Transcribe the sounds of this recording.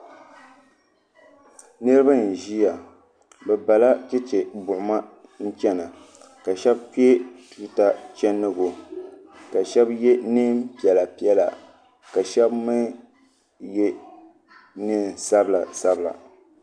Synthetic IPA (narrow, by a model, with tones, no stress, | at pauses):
nɨ˦ɾɨ˦ba˦˨n̩˨ʒi˦a˨ | bɛ˨ba˨la˦t͡ʃɛ˦t͡ʃe˨bʊ˨ʔʊ˨ma˦n̩˦t͡ʃɛ˦na˨ | ka˨ʃɛ˦bki˦e˦tuː˦ta˦t͡ʃɛ˦nːɨ˦ɡo˨ | ka˨ʃɛ˦bje˦nɨ˦mpi˨ɛ˨la˨pi˦ɛ˦la̰˨ | ka˨ʃɛ˦bmɨ˦ | je˦ | nɨ˦nsa˦bla˨sa˦bla̰˨